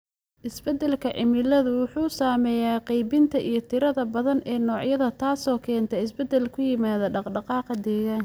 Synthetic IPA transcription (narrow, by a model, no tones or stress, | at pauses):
ʔɪsbɛd̪ɛlkʰɐʕɪmɪlɐðʊwʊħuːsaːmɛːjaːqɛjbɪnt̪ʰɐʔijɞt̪ʰɪɾɐðɐbɐðɐnʔɛːnɔːʕjɐðɐt̪ʰaːsɔːkʰɛːnt̪ʰɛɪsbɛd̪ɛlkʰʊjɪmaːðɐɖɑqɖɑqɑːqd̪ɛːɣaːn